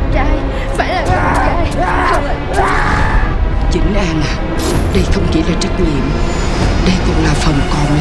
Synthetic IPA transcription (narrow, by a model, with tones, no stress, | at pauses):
t͡ɕaː˧j | faː˧˩jlaː˨˩kə˧˩˧ka˧˩j | t͡ɕï˨˦ŋ̟ʔaː˧nʔaː˨˩ | ɗə˧jxə˧wŋ͡mt͡ɕi˧˦laː˨˩t͡ɕə˦˥k̚lḭ˧˨əm | ɗə˧jkʊ̰˧˥ŋ͡mlaː˨˩fə˨˩ŋ͡mkɔ˨˩n